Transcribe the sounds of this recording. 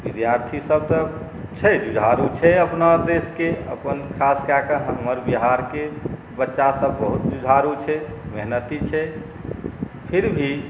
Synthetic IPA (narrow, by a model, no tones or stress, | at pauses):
bid̪jaɾt̪ʰisəb̚t̪ə | t͡ʃʰɛd͡ʒud͡ʒʱaɾut͡ʃʰɛəpnad̪eskeə̰pənkʰaskakəɦəməɾbiɦaɾke | bətːʃasəbːəɦut̪̚d͡ʒud͡ʒʱaɾut͡ʃʰɛmeɦnət̪it͡ʃʰɛ | pʰiɾbʱi